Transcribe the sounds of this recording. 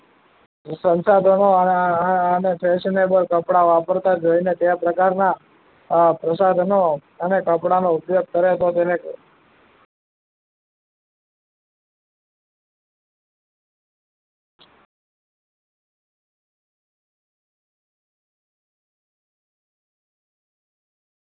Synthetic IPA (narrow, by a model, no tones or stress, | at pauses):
sənsad̪ʱono | ənepʰɛʃinebəlkəpɽaʋapəɾt̪ad͡ʒoinet̪eapɾəkaɾna | pɾəsad̪ʱno | ənekəpɽanoupjoɡ̚k̪əɾet̪ot̪ene